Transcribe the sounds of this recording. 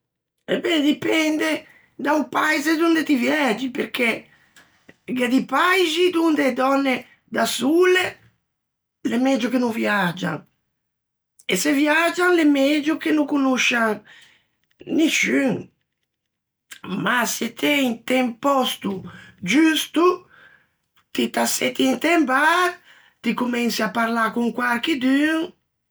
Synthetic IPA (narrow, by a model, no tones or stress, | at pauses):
ɛbɛd̪ipɛnd̪e | d̪aumpajzed̪und̪et̪ivjɛd͡ʒipeɾk̟e | ɡad̪ipajzid̪und̪ed̪ɔnːe | d̪asule | lemɛd͡ʒukenuvjad͡ʒːa̰ŋ | esevjad͡ʒanlemɛd͡ʒuk̟enukunuʃaŋ | niʃyŋ | maset̪ʰɛjt̪ɛmpɔst̪ud͡ʒyst̪u | t̪it̪aset̪int̪ɛmba | t̪ikumɛnsiapaɾlakuŋkwaɾkid̪yŋ